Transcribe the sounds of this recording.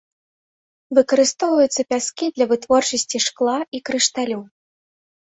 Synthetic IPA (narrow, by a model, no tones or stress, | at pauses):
vɨkɐɾɨst̪ɔwvɐjut̪sːɐpʲaskʲid̪lʲɐvɨt̪vɔrt͡ʂɐsʲt͡sʲiʂklˠaikɾɨʂt̪alʲu